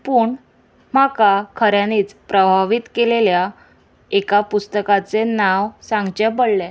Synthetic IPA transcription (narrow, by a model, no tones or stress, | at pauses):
puːɳ | m̤akakʰəɾjaniːt͡spɾəbʱaʋit̪kelelja | ekapust̪əkat͡senaʋsãŋɡt͡ɕɛpəɽlɛ